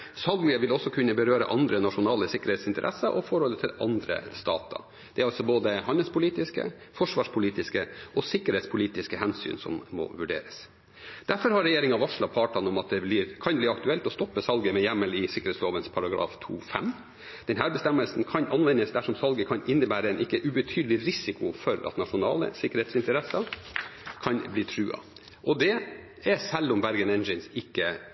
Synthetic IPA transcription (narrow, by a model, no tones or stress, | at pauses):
sɑlɡəʋɪlɔsːɔkʰʉnːəbəɾøːɾə̰ʔɑnd̪ɾənɑʂʊnɑːləsɪkːəɾhɛːt̪sɪnt̪ə̰ɾʔɛ̰sːəʔɔfɔɾhɔlət̪ʰɪlɑ̰nd̪ɾə̰st̪ɑ̰ːt̪ɑ̰ | d̪̥ɛæɾɑlsɔboːd̪əhɑnəlspʊliːt̪ɪskə̰ | fɔʂʋɑːʂpʰʊliːt̪ɪskəʔɔsɪkːəɾhɛːt̪spʰʊliːt̪ɪskəhɛnsy̰ːnsɔ̰mːɔ̰ʋʉɖḛːɾəs | d̪̥æɾfɔɾhɑɾːɛjeːɾɪŋɑʋɑʂlɑpʰɑːʈɑnɔmɑt̪̚d̪ɛblɪɾkʰɑnbliːɑkt̪ʉɛlt̪ɔst̪ɔpːəsɑlɡəmɛjɛmːəlɪsɪkəɾɛːtsloːʋənspʰɑɾɑɡɾɑ̰ːft̪ʰṵːfɛ̰m | d̪̥ɛnɦæːɾbɛst̪ɛmːəlsn̩kʰɑnʔɑnʋɛnːəsd̪æʂɔmsɑlɡəkʰɑnɪnːəbæːɾəɛnʔɪkːəʔʉbət̪ʰyːd̪əlɪɾɪsɪkʊfɔɾɑ̰t̪nɑʂʊnɑ̰ːlə̰sɪkəɾheːt̪sɪnt̪əɾɛsɑ | kʰɑnbliːʈʰɾʉːɑ̰ | ʔɔd̪ɛ | ɛsɛlːɔmbæɾɡənɛnd͡ʒɪnsɪkːə